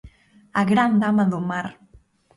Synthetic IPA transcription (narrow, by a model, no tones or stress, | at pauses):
aɣɾand̪amaðumaɾ